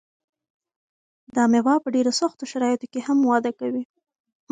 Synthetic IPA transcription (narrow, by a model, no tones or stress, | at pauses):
d̪ɑmewɑpəɖeɾasaxt̪oʃaɾɑjɪt̪okehamwɑd̪akawi